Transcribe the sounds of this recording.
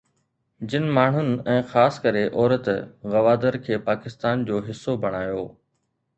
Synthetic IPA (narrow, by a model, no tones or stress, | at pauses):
d͡ʑɪnɪ̆maːɳ̤ʊnɪ̆ɛ̃ːxaːskɐɾeʔɔːɾət̪ɣɐʋaːd̪əɾkʰeːpaːkɪst̪aːnd͡ʑoːɦɪsːobʱɐɽ̃aːjoː